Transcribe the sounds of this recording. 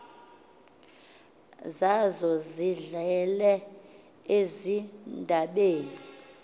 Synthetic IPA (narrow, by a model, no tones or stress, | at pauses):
zazɔziɮɛlɛ | ezindʱaɓeːni